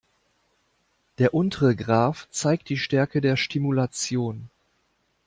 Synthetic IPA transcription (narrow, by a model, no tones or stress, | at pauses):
d̥eːɐʔʊntʰəʁəɡʁaːft͡saɪk̚t̚d̥iːʃtɛɐkədeːɐʃtimulat͡sjoːn